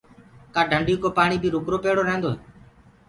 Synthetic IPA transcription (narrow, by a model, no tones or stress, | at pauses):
kaːɖʱəɳɖiuːkoːpaːɳiːbʱiːɾʊkɾoːpeːɽoːɾəɦẽnd̪oːɦeː